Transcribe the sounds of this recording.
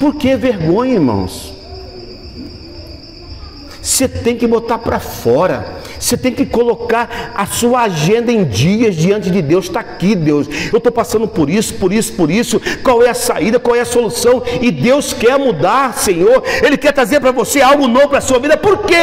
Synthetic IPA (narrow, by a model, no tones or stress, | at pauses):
poɾkeɛveɾɡõɲɐiɾmɐ̰̃w̃s | set̪ẽj̃kɪbot̪aɾpɾɐfɔɾɐ̰ | set̪ẽj̃kɪkolokaɾɐsuɐaʒẽnd̪ɐẽj̃d͡ʒiɐzd͡ʒiɐ̃nt͡ʃɪd͡ʒɪd̪ewst̪akid̪ewsewt̪owpasɐ̃nd̪ʊpoɾisʊ̥poɾisʊ̥poɾisʊkwawɛɐsaid̪ɐkwawɛɐsolusɐ̃w̃ɪd̪ewskɛɾmud̪aɾsẽɲoɾelɪkɛɾt̪ɾazeɾpɾɐvoseawɡʊnovʊpɾɐsuɐvid̪ɐpoɾke